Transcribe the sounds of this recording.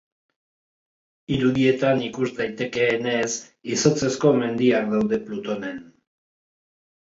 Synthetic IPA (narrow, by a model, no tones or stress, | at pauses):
iɾuðie̞t̪anikuzd̪ajt̪e̞ke̞ːne̞s | iso̞t͡se̞sko̞me̞nd̪iakd̪awðe̞plut̪o̞ne̞n